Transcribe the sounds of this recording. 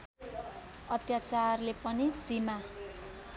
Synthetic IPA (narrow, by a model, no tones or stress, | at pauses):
ʌt̪jat͡sarlepʌnisima